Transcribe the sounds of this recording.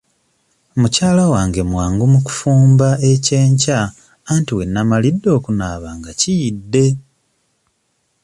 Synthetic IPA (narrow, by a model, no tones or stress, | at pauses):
mucaːlawaːŋɡe̞mwaːŋɡumuku̥fuːmbaece̞ːɲcaː | ntiwe̞nːamalidːo̞ːkunaːβaːŋɡacijidːe̞